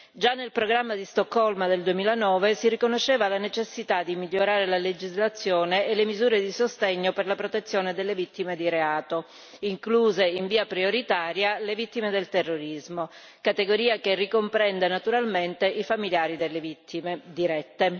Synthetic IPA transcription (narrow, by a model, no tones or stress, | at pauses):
d͡ʒanːelpɾoɡɾamːad̪ist̪ɔkːɔlmad̪eld̪uemiːlanɔːvesirikonoʃeːvalanet͡ʃesːit̪ad̪imiʎːoɾaːɾelaled͡ʒizlat̪sːjoːneːlːemizuːɾed̪isost̪eɲːoperlapɾot̪et̪sːjoːned̪elːevit̪ːimed̪iɾeaːt̪o | iŋkluːzeiɱviːapɾioɾit̪aːɾjalevit̪ːimed̪elt̪erːoɾizmo | kat̪eɡoɾiːakerːikompɾɛnd̪enat̪uɾalment̪eʔifamiljaːɾid̪elːevit̪ːimed̪iɾɛt̪ːe